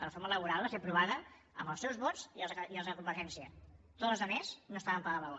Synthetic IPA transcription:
lərəfoɾmələβ̞uɾalˠβasepɾuβaðə | ə̰mbəlˠsɛwzβɔd͡ziəiəlˠzəkumbəɾʒɛnsiət̪oləzðəmeznoəst̪aβəmpaðalao

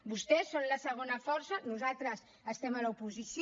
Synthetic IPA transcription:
bust̪ɛsːonləsəɣ̞onəfɔɾsənuzalˠt̪ɾəs | əst̪ɛməlɐupuzisj

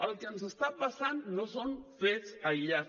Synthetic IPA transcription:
alkensest̪apasannosonfesajʎa

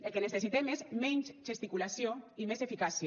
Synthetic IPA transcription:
elˠkenesesit̪emezmɛɲt͡ʃʒest̪ikulasjoimezefikasi

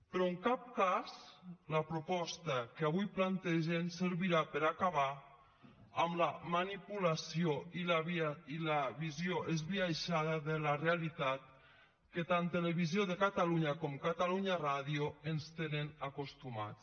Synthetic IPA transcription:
pɾɔəŋkap̚kazlapɾupɔst̪akeaβujplant̪ɛʒensəɾβiɾapəɾakaβaː | mlamanipulasioilaβilaβizjoʔezβiaʃaðəðelarealit̪at̪̚ | ket̪ant̪eleβizjoðekat̪aluɲakɔmkat̪aluɲaraðioənst̪enenakost̪uma̰t͡s

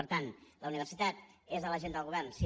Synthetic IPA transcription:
əɾt̪anləuniβ̞ərsit̪at̪̚ezðələʒend̪əlˠɣuβɛrnsi

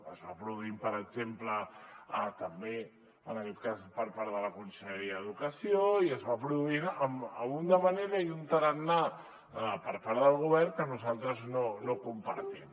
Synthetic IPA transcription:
ə̰zβapɾuðuimpəɾəɡzempləət̪əmbe | ənəkɛt̪̚kazpəɾpaɾðələkunsəʎəɾiəːðukəsioiəzβapɾuðuinəməmund̪əβəneɾəiunt̪əɾənːa | pəɾpaɾðəlˠɣ̞uβɛrŋkənuzalˠt̪ɾəznonokumpa̰ɾt̪in

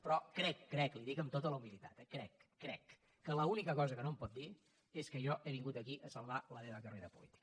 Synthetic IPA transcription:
pɾɔkɾɛkːɾɛkliðikəmt̪ot̪ələumilit̪a̰t̪ɛkɾɛkːɾɛkː | ələunikəkɔzəkənompɔt̪̚d̪i | eskəʒɔʔeβiŋɡut̪əkiʔəsəlˠβaləmeβəkəreɾəpṵlit̪i̥kə

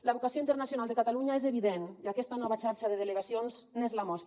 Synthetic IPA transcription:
ləβukasioint̪əɾnasjuonalˠd̪ekat̪aluɲaezeβiðeniakɛst̪anɔβat͡ʃaɾʃaðeðeleɣasionznezlamɔst̪

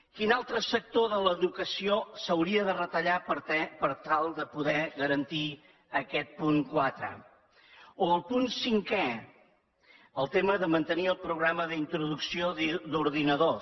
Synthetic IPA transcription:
kinalˠt̪ɾəsək̚t̪oðələðukəsiosəwɾiəðərət̪əʎapəɾt̪ɛpəɾt̪alˠd̪əpuðɛɣəɾənt̪i | əkɛt̪̚puŋkwat̪ɾə̰ | oəlˠpunsiŋkɛ | əlˠt̪eməðəmənt̪əniəlˠpɾuɣɾaməðint̪ɾuðuksiod̪uɾðinəðo

